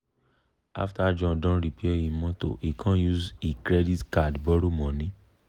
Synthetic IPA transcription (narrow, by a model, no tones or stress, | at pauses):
a̰ftad͡ʒɔ̃dɔ̃ɾipeɛĩmɔ̃to̰ikʰãjuzikɾɛditkadbɔɾomɔ̃nĩ